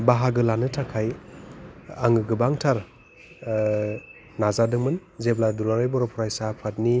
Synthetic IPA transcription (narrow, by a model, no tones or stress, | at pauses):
baɦaɡɯlanɯtʰakʰaj | aŋɯɡɯbaŋtʰaɾ | nazadɯŋmɯnzepladulaɾajbɔɾɔpʰɔɾajsapʰat̚ni